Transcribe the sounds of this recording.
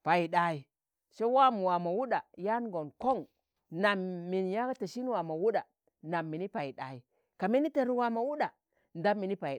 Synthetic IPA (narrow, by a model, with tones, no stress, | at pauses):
pa˨i˨ɗa˨i˨ | ʃa˦wa˦m˨wa˨ma˨wu˦ɗa˨ja˦nɡo˨nko˦ŋ | na˨mːi˨nja˦ka˦ta˨ʃi˦n˦wa˨ma˨wu˦ɗa˨ | na˨mːi˨ni˦pa˨i˨ɗa̰˨i˨ | ka˨mi˦ni˦ta˨ɾwa˨ma˨wu˦ɗa˨ | nda˦mːi˨ni˦pa˨i˨